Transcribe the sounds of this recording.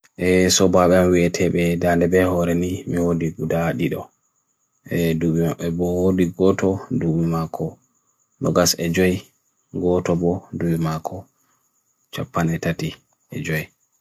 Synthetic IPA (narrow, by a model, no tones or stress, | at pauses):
ʔɛsɔbaɓɛamwiɛtʰɛɓɛdandɛbɛhɔɾɛnimiwodiɡudaɗiɗɔ | ɛduɓiaɓɛbɔwodiɡɔtʰɔduwimakʰɔ | nɔɡasɛd͡ʒɔj | ɡɔtɔbɔduɓimakʰɔ | t͡ʃapːanɛtati | ʔɛ̰d͡ʒɔj